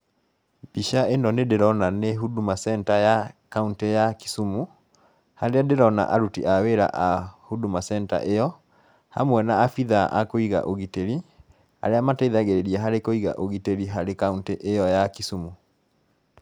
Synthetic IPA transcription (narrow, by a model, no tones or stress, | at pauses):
biʃaendɔnedeɾɔnaneɦudumasɛntajakauntejaki̥sumu | haɾeadeɾɔna̰ʔaɾutḭʔaweɾa̰ʔahudumasɛnta̰ʔejɔ | ha̰mwɛnaːfiðaʔa̰koiɣa̰ʔoɣiteɾi | a̰ɾeamatɛiðaɣeɾeɾiɛɦaɾekoiɣa̰ʔoɣiteɾiɦaɾekaunteʔejɔjakisumu